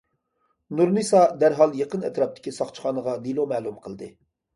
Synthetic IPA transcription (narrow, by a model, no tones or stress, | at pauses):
nuɾnɨsɑd̪æɾɦɑlˠjeqənɛt̪ɾɑp̚t̪ʰɪ̥kʲʰisɑχt͡ʃʰχɑːnəʁɑd̪ilˠomɛːlˠumqʰəlˠd̪ɨ̰